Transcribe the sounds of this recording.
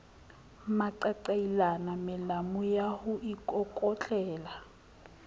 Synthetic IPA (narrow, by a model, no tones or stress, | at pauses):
maǀaǀailanamɪlamʊjahʊʔikʼɔkʼɔt͡ɬʼɛːla